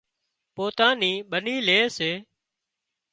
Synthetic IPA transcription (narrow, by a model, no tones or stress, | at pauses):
poːt̪aːniːɓəniːleːseː